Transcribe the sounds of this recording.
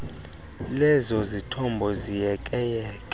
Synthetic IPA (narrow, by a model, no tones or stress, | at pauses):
lɛzɔzitʰɔmbʱɔzijɛkʼɛjɛːkʼɛ